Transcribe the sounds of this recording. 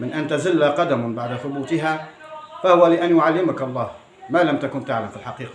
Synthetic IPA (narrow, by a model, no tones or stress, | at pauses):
mɪnʔant̪azɪlːaqɑd̪ambaʕd̪aθʊbuːt̪ɪɦafahʊwalɪʔanjʊʕalːɪmakɑlˤːɑːh | maːlamt̪akʊnt̪aʕlamfilħɑqiːqɑ